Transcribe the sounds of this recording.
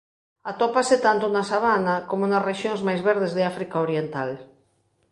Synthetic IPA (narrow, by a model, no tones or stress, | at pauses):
at̪opaset̪ant̪ʊnasaβ̞anakomonasreʃjoŋzmajzβeɾðezðeafɾikaoɾjent̪al